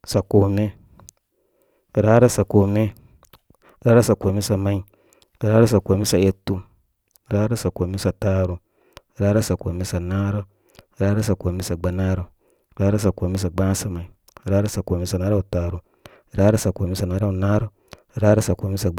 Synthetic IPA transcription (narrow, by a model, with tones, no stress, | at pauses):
sa˨ko˨me˦˨ | ɾa˦ɾo˦sa˨ko˨me˦˨ | ɾaː˦ɾa˦sa˨ko˨me˦sa˨ma˨i˨ | ɾa˦ɾo˦sa˨ko˨me˦sa˨e˦tːu˦˨ | ɾa˦ɾo˦sa˨ko˨me˦sa˨taː˨˦ɾu˨ | ɾa˦ɾa˦sa˨ko˨me˦sa˨naː˦ɾo˦˨ | ɾa˦ɾa˦sa˨ko˨me˦sa˨ɡ͡ba˨naː˦ɾo˨ | ɾa˦ɾa˦s̬a˨ko˨me˦s̬a˨ɡ͡bãː˦sa˨ma˨i˨ | ɾaː˦ɾa˦sa˨ko˨me˦sa˨naː˦ɾa˦u˨taː˨ɾu˨ | ɾaː˦ɾo˦sa˨ko˨me˦sa˨naː˨˦ɾa˦u˨na˦ɾo˦˨ | ɾa˦ɾo˦sa˨ko˨me˦sa˨